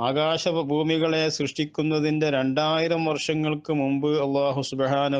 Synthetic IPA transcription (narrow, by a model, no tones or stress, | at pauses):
aːɡaːɕɐbʱuːmiɣɐɭesrɨʂʈikʲːunːɐðinde̞ɾe̞ɳɖaːjiɾɐmʋɐrʂɐŋːɐɭkɨmumbɨɐlˠːaːɦusubhaːnɐ